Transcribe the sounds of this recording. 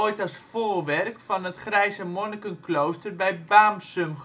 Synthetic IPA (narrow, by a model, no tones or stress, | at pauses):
ojtɑsfoːrʋɛrkfɔnətχrɛjzəmonəkənklowstərbɛjbaːmsømχ